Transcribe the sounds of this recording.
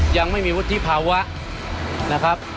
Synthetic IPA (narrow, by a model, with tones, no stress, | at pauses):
ja˧ŋma˥˩jmiː˧wu˦˥t̪ʰːi˦˥pʰaː˧wa˦˥ʔ | na˦˥kʰɾa˦˥p̚